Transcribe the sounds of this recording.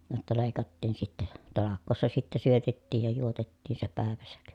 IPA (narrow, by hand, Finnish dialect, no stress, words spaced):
jotːɑ leˑi̯kɑtːiːn sitːɛ tɑlɑkˑoːsːɑ sitːɛ syøtetːiːj jɑ juotetːiːn se pæˑeʋæsæk